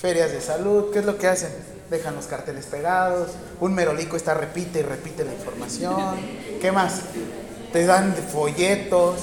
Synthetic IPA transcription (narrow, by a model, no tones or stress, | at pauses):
fe̞ɾjazðe̞saluðkeeːzlo̞ke̞ase̞n | d̪e̞xanlo̞skaɾt̪e̞le̞spe̞ɣaðo̞s | unme̞ɾo̞likoest̪are̞pit̪e̞ire̞pit̪e̞laiɱfo̞ɾmasjonke̞mas | t̪e̞ðanfo̞ʝe̞t̪o̞s